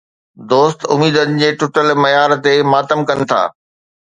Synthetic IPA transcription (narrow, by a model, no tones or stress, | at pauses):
d̪oːst̪ʊmiːd̪ənɪ̆d͡ʑeːʈʊʈəlmɐjaːɾt̪emaːt̪əmkɐnɪ̆t̪ʰa̰ː